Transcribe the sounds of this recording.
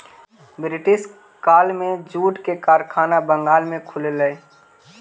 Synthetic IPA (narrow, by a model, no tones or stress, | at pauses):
bɾɪʈɪʃ | kaːlmẽd͡ʒuːʈkekaːɾkʰaːnabəŋɡaːlmẽkʰʊleləe